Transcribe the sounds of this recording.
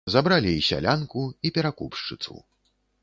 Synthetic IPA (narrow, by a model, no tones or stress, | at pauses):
zabɾalʲiisʲa̰lʲankuipʲɛɾakupʂt͡ʂɨt̪sṵ